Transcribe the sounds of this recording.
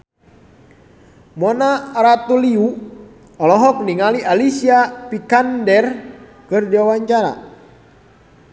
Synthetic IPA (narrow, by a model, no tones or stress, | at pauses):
mɔnaɾat̪uliu | ɔlɔɦɔk̚niŋaliʔalisiapikandɛr | kɨrdiawaɲt͡ʃaɾa̰